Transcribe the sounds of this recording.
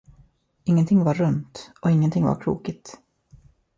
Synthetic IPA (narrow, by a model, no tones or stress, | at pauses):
ɪŋːənt̪ʰɪŋːvaɾːɵnt̪ɔɪŋːənt̪ʰɪŋva̰ɾkʰɾṵːkɪt̪